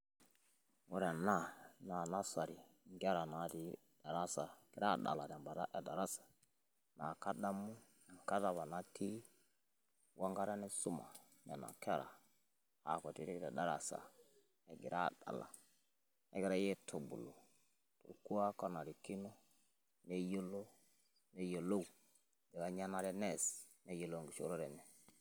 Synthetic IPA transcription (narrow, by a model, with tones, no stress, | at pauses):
wu˨ɾɛ˨na˦˨na˨na˦sa˨ɾi˨ŋɡa˦ɾa˨na˨˦di˨˦ | da˨ɾa˦sa˨ɡ̥ɛ˨ɾa˦˨da̰˨la˨ɾɛ˨mba˨da˦ʔɛ˨da˨ɾa˦sḁ˨ | na˨ka˦da˦mu˦˨ | ŋ˨ka˦da˨βa˨na˨tʰi˦ | wa˦ŋɡa˦ɾa˦nɛ˦su˦ma̰˨ | nɛ˨na̰˨kɛ˦ɾa̰˨ | a̰˨kɔ˨ti˦ɾi˦ki˨ɾa˨da˦ɾa̰˨sa̰˨ | ɛ˨ɡi˨ɾa˦˨da̰˨la̰˨ | ɛ̰˦ɡɛ˦ɾa˦je˦tʰo˨bṵ˨lo˨ | to̰˨ɾku˦a˦ka˦na˨ɾi˨ki˦no˦ | ne˦jo˦lo˦ | ne˦jo˨lo˦˨ | dɛ˨ɡa˦ɲa˦na˨ɾɛ˦nɛ˦˨s | ne˦jo˨lo˦˨ŋɡi˨ʃo̰˦ɾo˦ɾɛ˨nɛ˨